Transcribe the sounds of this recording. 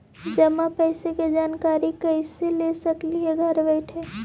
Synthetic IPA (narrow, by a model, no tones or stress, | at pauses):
d͡ʒəmːapəɪseked͡ʒaːnkaɾikəɪselesəkliɦeɡʱəɾbəɪʈʰɦɛ